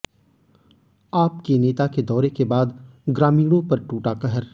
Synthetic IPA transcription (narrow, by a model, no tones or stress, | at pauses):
aːpkeneːt̪aked̪ɔːɾekebaːd̪ɡɾaːmiːɽ̃õpɐɾʈuːʈakɐɦəɾ